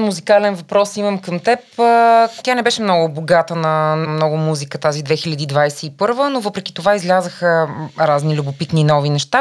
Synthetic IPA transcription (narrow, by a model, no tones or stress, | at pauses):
muzikalɛnvɐpɾɔsiməmkəmt̪ɛpət̪janɛbɛʃɛmnɔɡʊboɡat̪ənɐmnɔɡʊmuzikət̪azid̪vɛxilʲəd̪iːd̪vajsɛipɤɾvənovɤpɾɛki̥t̪ovaizlʲazəxəɾaznilʲubopit̪ninɔvinɛʃt̪a